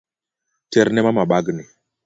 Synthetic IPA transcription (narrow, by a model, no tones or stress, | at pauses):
tɛɾnɛmamaɓaɡni